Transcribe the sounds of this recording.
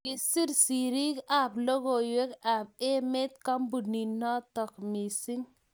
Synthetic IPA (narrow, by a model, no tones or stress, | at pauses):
isiɾsiɾikaploɡojwekap̚emet̪kambuninɔt̪ɔkmisiŋ